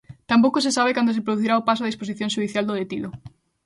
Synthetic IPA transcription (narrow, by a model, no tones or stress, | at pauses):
t̪amp̬owkosesaβ̞ɪkand̪osepɾoðuθiɾaopasoaðisposiθjõŋʃuðiθjald̪oðet̪iðo